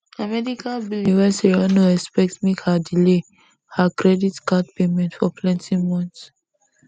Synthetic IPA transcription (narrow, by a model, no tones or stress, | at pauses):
amɛdikʰalbilivɛsiɹanoɛspɛktmikhadile | hakɹɛditkat̚pemɛ̃ntfɔpʰlɛ̃ntĩŋmɔ̃nts